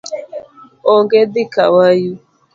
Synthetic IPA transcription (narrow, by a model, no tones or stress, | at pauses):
ɔŋɡedɪkawaju